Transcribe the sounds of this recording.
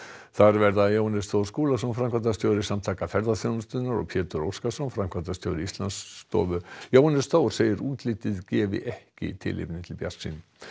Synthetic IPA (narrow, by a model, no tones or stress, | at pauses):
θaɾvɛɾðajownɛst̪owɾ̥skuːlasownfɾamkvat̪ast̪joːwðɪsamt̪ʰaːkafɛɾðaθjoːwnʏst̪ʏnaɾɔ̰ɣpʰjɛːt̪ʏɾowskasonfɾamkʰvat̪ast̪jowðɪist̪lanst̪ɔ̰ːvʏjoːwnɛ̥st̪oːwɾ̥seːjɪɾuːt̪lɪt̪ɪðcɛːvɪ̰ʔɛhcɪ̰t̪ʰɪ̰lːɪ̰pnɪt̪ʰɪlpja̰r̥sḭn